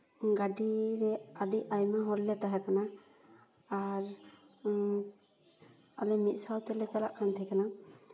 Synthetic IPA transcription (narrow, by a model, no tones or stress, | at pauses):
ɡaɖiɾɛaɖiʔajmaɦɔɾlɛt̪aɦɛkanaː | ɾ | alɛmit̪̚ˀsawt̪ɛlɛt͡ʃalaʔkʰant̪ʰɛkana